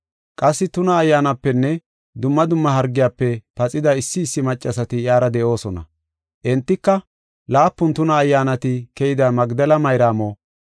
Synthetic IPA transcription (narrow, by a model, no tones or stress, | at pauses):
kʼɐsːɪt̪ʊnɐːjːaːnɐpːɛnːɛ | d̪ʊmːɐd̪ʊmːɐɦɐɾɡːɪjaːpːɛpɐt͡sʼɪd̪ɐɪsːɪːsːɪmɐt͡ʃʼːɐsɐt̪ɪjaːɾɐd̪ɛʔo̞ːsɔnɐ̰ | ʔɛnt̪ːɪkːɐ | laːpːʊnt̪ʊnɐːjːaːnɐt̪ɪkɛjɪd̪ɐmɐɡd̪ɐlɐmɐjɾaːmoː